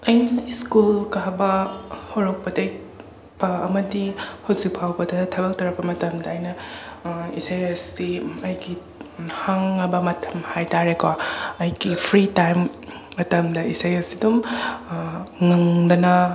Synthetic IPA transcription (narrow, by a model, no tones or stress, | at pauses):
ɐjnɐiskulkabɐhoɾɐk̚pɐdejk | bɐɐmɐdihozipʰawbɐdɐtʰɐbɐk̚tʰɐwɾɐk̚pɐmɐtɐmdɐːjnɐ | isejesdiɐjɡi | haŋɐbɐmɐtʰɐ̥mhajtaɾekoɐjɡipʰɾitajmː | ɐtɐmdɐisejesidum | ŋɐŋdɐnɐ